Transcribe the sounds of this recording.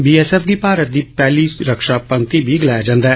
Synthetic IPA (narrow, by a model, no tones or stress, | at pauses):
biːɛːsɛːfʰɡiːpaːɾət̪̚d̪iːpɛːliːɾəkʃaːpə̃ŋk̚t̪ibʱiːɡɪlaːjad͡ʒãːnd̪aɛː